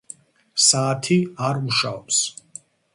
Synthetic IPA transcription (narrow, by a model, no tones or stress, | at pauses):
saːt̪ʰiaɾmuʃaɔps